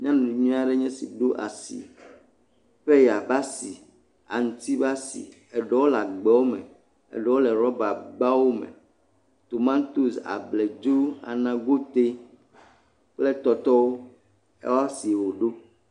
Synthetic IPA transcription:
ɲ˦ã˦nũ˨i˨ɲũ˦a˦ɖe˦ɲɛ̃˦sḭ˨ɖo˦ʔa̰˨sḭ˨ | ɸe˦ja˨ba˦si˨ | a̰˨ŋ˨t̪i˦ba˦sḭ˨ | ɛ˨ɖɔ˦wo˦la˨ɡ͡bɛ˨˦wo˦mḛ˨ | ḛ˨ɖɔ˦wo˦lɛ˨ɾɔ˦ba˨ɡ͡ba˦wo˦mḛ̃˨ | t̪o˨mã˦t̪u˦sa̰˨ble˨d͡ʒu˦a̰˨nã˦ɡo˦t̪e˦ | k͡ple˦t̪ɔ˨t̪ɔ˦wo˦ | ḛ˦wa˦si˨wo˨ɖo˦

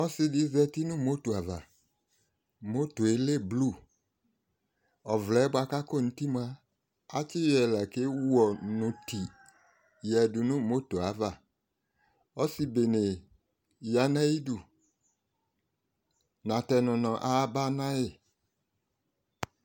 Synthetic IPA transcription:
ɔ˦sɪ˦dɪ˦zɛ˦ti˦nʊ̃˦mo˦to˨a˨va˨ | mo˦to˨e˦le˦˨blu˦˨ | ɔ˨vlɛ˨˦bwa˨ka˦ko˦˨nũ˨˦ti˦mu˨a˦ | a˦t͡ʃɪ˦jɛ˨lɛ˨ke˦wu˦ɔ˨nʊ̃˨ti˨ | jɛ˨dʊ˨nʊ̃˦˨mo˦to˨a˨˦va˨ | ɔ˦si˦be˨ne˨ | ja˨nã˦i˦du˨ | nã˨tɛ˨nɔ̃˨nɔ̃˨ʔa˦ba˦nã˦jɪ˨

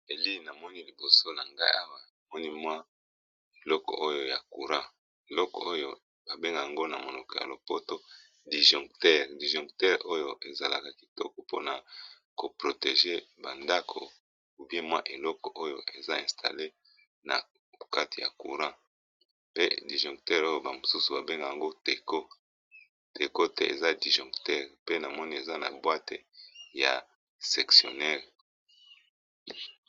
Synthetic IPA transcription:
e˨li˦na˨mɔ˦ni˦li˨bo˨so˦na˨ŋɡa˦ḭ˦a˦wa˨na˨mɔ˦ni˦mwa˦ | e˨lɔ˦kɔ̰˨ʔo˦jo˦ja˨ku˨ʁã˦ | e˨lɔ˦kɔ̰˨o˦jo˨ | ba˨be˦ŋɡa˨ja˨ŋɡo˦na˨mo˨nɔ˨kɔ˨ja̰˨lo˨po˦to˦ | di˨ʒɔ̃˨ŋktɛ˦ʁdi˨ʒɔ̃˨ŋktɛ˦ʁo˦jo˦ʔe˨za˨la̰˨ka˨ki˨tɔ˦kɔ˨po̰˦na˨ | ko˨pʁo˨te˨ʒe˦ba˨nda˦kʰo̰˨ | u˨bje˦mwa̰˦ʔe˨lɔ˦kɔ˨ʔo˦jo˨ʔe˨za˦ɛ̃˨stʰa̰˨le˦ | na̰˨ | ka˦ti˨ja̰˨ku˨ʁã˦ | pe˦di˨ʒɔ̃˨ŋk̚tɛ˦ʁo˦jo˨ba˨mo˨su˦su˨ba˨be˦ŋɡa˨ja˨ŋɡo˦te˨ko˦ | te˨ko˦tḛ˦ʔe˨za˦di˨ʒɔ̃˨ktɛ˦ʁpe˦na˨mɔ˦ni˦e˨za˦na̰˨bwa˦te˨ja̰˨ | sɛ˨ksjo̰˨nɛ˦ʁ

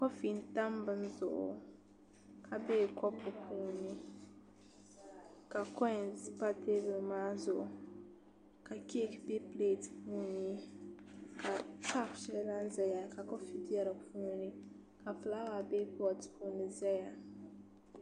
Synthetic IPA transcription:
kɔ˦fi˨nta˦mbɨ˨˦n˦zʊ˨ʔ | kʰa˨be˦˨kɔ˦pu˨pʰuː˦ni˦ | ka˨kɔ˦ɛ̃˨si˦pa˦te˦blma˦zo˨ | ka˨ke˦kbe˦ple˦˨tpu˦ni˦ | ka˨ka˦kʃɛ˦la˦n˦zɛ˨ja˨ka˨kɔ˦fi˦di˦ɛ˦ɾa˨puː˦ni˦ | ka˨fla˦wa˨be˦bɔ˨tpʰu˦ni˨zɛ˦ja˨

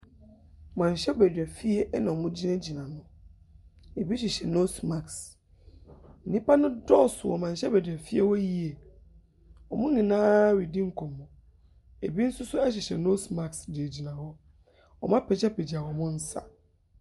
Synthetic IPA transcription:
mã˨n˨ɕɛ˦bæ˨dᶣɛ˨fi˦ɛ˦ʔnã˨ɔ˨mʊ̃˦d͡ʑi˦nã˦d͡ʑi˨nã˨nʊ̃˦ | e˨bi˦ɕᶣi˨ɕɛ˨no˦smã˨ks | n̩˨nĩ˦pa˦nʊ̃˦dɔ˦˨sʊ˨wɔ̰˨mã˨n˨ɕɛ˦bæ˨dᶣɛ˨fi˦ɛ˦wɔ˦ji˦e˨ | ɔ˨mʊ̃˦nĩ˨nãː˦wi˨di˦ŋ̩˨kʰɔ̃˨mːʊ̃˨ | e˨bi˦n̩˦sʊ˦sʊ˦ɛ˦ɕ̬ɛ˨ɕɛ˨no˦sma˨ksdɪ˨e˨d͡ʑi˨nã˨wɔ˦ | ɔ̰˨mã˦pʰɛ˨d͡ʑɛ˦pʰɛ˨d͡ʑi˨a˨wɔ˨mʊ̃˦n̩˦sa̰˨

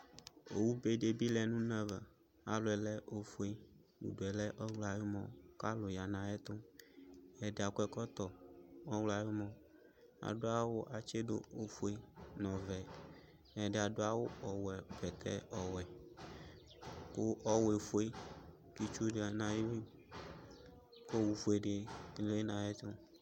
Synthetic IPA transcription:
o˨wu˦be˦ɖe˨bi˦lɛ˨nũ˦nã˦va˨ | a˨lo˨ɛ˨lɛ˦ʔo˦fe˦ | wṵ˨ɖo˨ɛ˨lɛ˦ʔɔ˦wla˨jo˦mɔ̃˨ka˦lo˨ja˨nã˨˦ɛ˦t̪o˦ | ɛ˨ɖe˨a˨kʷɛ˦kɔ˦t̪ɔ˨ɔ˦wla˨je˦mɔ̃˨ | a̰˨ɖo˦a˦wo˦ʔa˨t͡ʃe˦do̰˦o˦fo˦e˦nɔ̃˨vɛ˨ | ɛ˨ɖe˨a˨ɖo˦a˦wo˦ɔ˨wɛ˨bɛ˨t̪ɛ̰˦ɔ˨wɛ˨ | ko˦ʔɔ˦we˨fu˦e˦ | ki˦t͡ʃu˦ɖe˨a˨nã˨ji˦wi˦ | ko˦wu˨fe˨ɖe˨le˦nã˨jɛ˦t̪ʊ̃˦

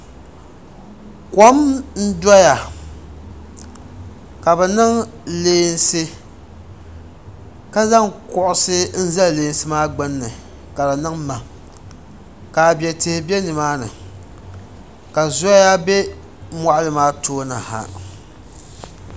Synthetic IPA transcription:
kɔ˦mn̩˦da˦ja˨ | ka˨bɛ˨nɨ˦ŋleː˦nsɨ˦ | ka˦za˦ŋkʊ˦˨ʔʊ˦sɨ˦n̩˦za˦lle˨˦n˦sɨ˦maː˦ɡ͡bɨ˦nːɨ˨ | ka˨la˨nɨ˦ŋma˨ | ka˨bjɛ˨te˨hɪ˨bɛ˦nɨ˨maː˦nɨ̰˨ | ka˨zʊ˦a˦ja˦bɛ˦ | mwa˦ʔlɨ˨maː˦toː˦na̰˨ha̰˨

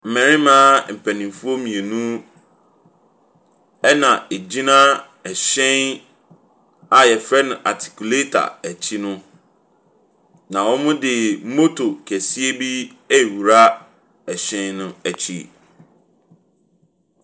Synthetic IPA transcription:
m̩˨mɛ̃˨ɾɪ̃˦mãː˦m̩˨pʰæ˨nĩ˨mfu˦o˦mĩ˨e˨nũ˦ | ɛ˦nã˨e˨d͡ʑi˦nã˦ | ɛ˨ɕɛ̃˦n | a˨jɛ˨fɾɛ˦nʊ̃˨ʔa̰˨tʰi̥˨kʰu˨le˦tʰa̰˨æ˨t͡ɕʰi˦nʊ̃˦ | nã˨wɔ˦mʊ̃˦dɪ˨m̩˦mo˦tʰo˨kʰɛ˨si˦e˦bi˦ɛ˦˨wu˨ɾa˦ | ɛ˨ɕɛ̃˦nnʊ̃˦æ˨t͡ɕʰḭ˦

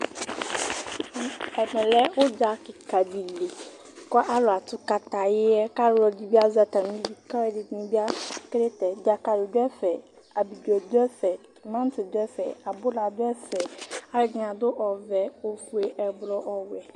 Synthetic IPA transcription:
ɛ˨mɛ̃˨lɛ˦wo˦d͡ʒa˨kɪ˨ka˨bi˨le˨ | kɔ˦ʔa˦lʊ˨a˨t̪ʊ˦ka˨t̪a˨jɪ˦ɛ˦ka˦ɾɔ˨d͡ʑi˦bi˦a˦za˨t̪a˨nĩ˦bi˦ka˦wɛ˦dɪ˨nĩ˦bi˦a˦kɾe˦t̪ɛ˨d͡ʒa˨ka˨ɾɪ˨d̪ʊ˦ɛ˦fɛ˨ | a˨bi˨d͡ʒɔ˨d̪ɛ˦fɛ˨ | mã˦n˦tɪ˨d̪ʊ˦ɛ˦fɛ̰˨a˨bʊ˦la˨d̪ʊ˦ɛ˦fɛ˨a˦lɪ˨ɡɲã˨d̪ʊ˦ʔɔ˨vɛ˨wo˦fu˨e˨ʔɛ˨blɔ˦ʔɔ˨wɛ˨

